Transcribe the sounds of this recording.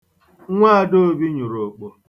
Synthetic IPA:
ŋʷa˦˨do˦˨˦bi˦ɲʊ˨ɾo˨k͡po˨

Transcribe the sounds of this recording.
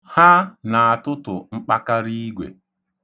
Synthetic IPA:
ha˦na˨a˨tʊ˦tʊ˨ŋ͡m̩˦k͡pa˦ka˦ɾi˦ɡʷḛ˨

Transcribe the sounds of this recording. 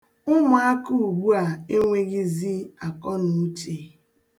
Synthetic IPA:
ʊ˦ma˨˦a˦ku˦u˨ɡ͡bu˦a˨e˦ŋʷe˦ɡɪ˦zi˦a˨kɔ˦nu˨˦t͡ʃe˨

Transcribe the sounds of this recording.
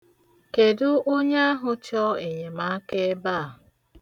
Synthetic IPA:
ke˨dʊ˦ʔo˦ɲa˦a˦ɦʊ˨t͡ʃɔ˦e˨ɲe˨ma˨˦a˦ke˦ba˦˨ɦʊ˨

